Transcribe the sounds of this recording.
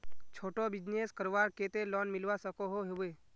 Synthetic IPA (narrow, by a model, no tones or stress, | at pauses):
t͡ʃʰoːʈobɪd͡ʒneskəɾʋaɾket̪elɔːnmɪlʋasəkoɦoɦeʋe